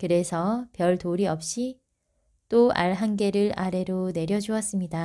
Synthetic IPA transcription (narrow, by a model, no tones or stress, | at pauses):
kɯɾe̞sʰʌpjʌɭtoɾiʌp̚ɕ͈i | t͈oa̰ɭɦanɡe̞ɾɯɾʔaɾe̞ɾone̞ɾjʌd͡ʑuʌs͈ɯmɲida